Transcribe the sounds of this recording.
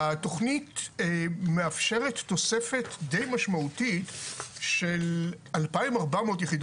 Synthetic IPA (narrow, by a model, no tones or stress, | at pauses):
ato̞χnit | meafʃe̞ʁetːo̞sefe̞tdejmaʃmautitʃel | alpaimaʁbameotjeχid